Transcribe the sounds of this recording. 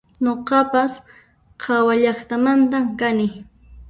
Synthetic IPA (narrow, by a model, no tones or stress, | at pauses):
ɲoqɑpas | qʰɑwaʎɑχt̪amant̪amkanɪ